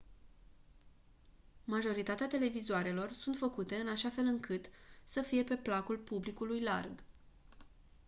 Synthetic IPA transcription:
maʒo̞ɾit̪at̪eat̪e̞le̞vizoaɾe̞lo̞rsunt̪fəkut̪e̞ɨnaʃafe̞lɨŋkɨt̪səfije̞pe̞plakulpublikulujla̰rɡ

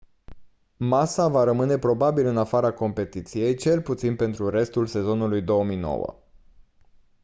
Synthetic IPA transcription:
masavaɾəmɨne̞pɾo̞babilɨnafaɾako̞mpe̞t̪it̪sije̞jt͡ʃe̞lput̪sinpe̞nt̪ɾuɾe̞st̪ulse̞zo̞nulujd̪o̞əmijno̰wə̰

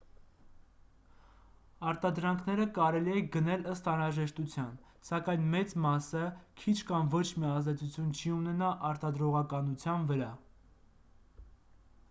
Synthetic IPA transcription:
ɑɾt̪ɑd̪ɾɑŋkʰnɛɾəkɑɾɛliɛɡənɛləst̪ɑnɾɑʒɛʃt̪ut͡sʰjɑn | sɑkɑjnmɛt͡smɑsəkʰit͡ʃʰkɑmvɔt͡ʃʰmiɑzd̪ɛt͡sut͡sʰjunt͡ʃʰiunɛnɑʔɑɾt̪ɑd̪ɾɔʁɑkɑnut͡sʰjɑnvəɾɑ

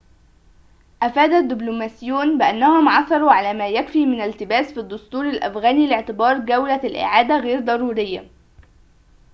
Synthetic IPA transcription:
ʔæfæːd̪æd̪ːɪblumæːsɪjːuːnbɪʔanːæhʊmʕɑsˤɑɾˤuʕalæːmæːjækfiːmɪnælt̪ɪbæːsfid̪ːʊst̪uːɾalʔæ̰fɣæːnilɪʕt̪ɪbɑːɾˤɡæwlælʔɪ̰ʕaːd̪æɣeːɾd̪ˤɑɾˤuːɾɪjːa̰

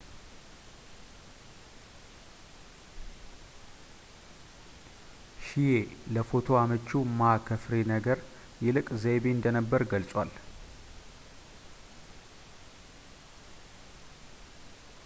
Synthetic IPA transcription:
ʃijeləfo̞t̪ʰo̞amət͡ʃːumakʰəfɾenəɡəɾ | jɛlɨkʼzebeɨnd̪ənəbːəɾɡəlsʼwal

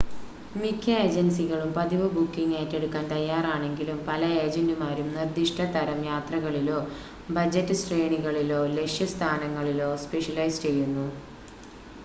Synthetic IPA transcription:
mikʰʲːɐeːd͡ʑensiɣɐɭumpɐðiʋɨbukːiŋeːtːe̞ɽukːaːnt̪ɐjːaːraːɳe̞ŋɡilumpɐlɐeːd͡ʑendumaːɾumnird̪iʂʈʰɐt̪ɐɾɐmjaːt̪rɐɣɐɭilo̞ː | bɐd͡ʑɐtːɨsʈreːɳiɣɐɭiloːle̞ʂjɐst̪ʰaːnɐŋːɐɭilo̞ːspe̞ʂɐlɐjst͡ɕe̞jːunːu

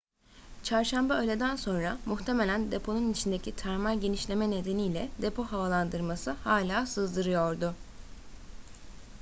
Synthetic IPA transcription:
t͡ʃʰaɾʃambaø̞jlʲe̞d̪ænso̞nɾamuxt̪ʰe̞me̞lʲænd̪e̞pʰo̞nunit͡ʃʰind̪e̞cʰit̪ʰæɾmaɾɟe̞niʃlʲe̞mɛne̞d̪e̞nijlʲɛd̪e̞pʰo̞ɦavalˠand̪ɯɾmasɯhaːlʲaːsɯzd̪ɯɾɯjo̞ɾd̪ʊ

